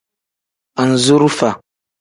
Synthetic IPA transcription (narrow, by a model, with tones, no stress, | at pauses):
a˨n˨zu˦ɾu˦fa˨